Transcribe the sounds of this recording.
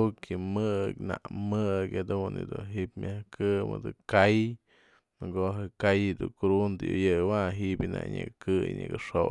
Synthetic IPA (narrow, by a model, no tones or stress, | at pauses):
kʰimɨkna̰ʔmɨkad̪unid̪unɦiʔpmʲʔahkɨmɨd̪ɨkaj | mɨɡoɦekajd̪ukɾund̪ɨjɨjɨwaɦibʲɨna̰ʔɲɨkkɨjɲɨɡɨʂo